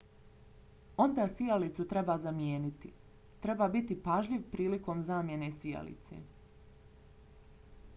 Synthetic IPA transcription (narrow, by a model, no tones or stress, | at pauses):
o̞nd̪asijalit̪sut̪ɾe̞bazamjeːnit̪i | t̪ɾe̞baːbit̪ipaʒʎiʋpɾiːliko̞mzaːmje̞ne̞sija̰lḭt̪sḛ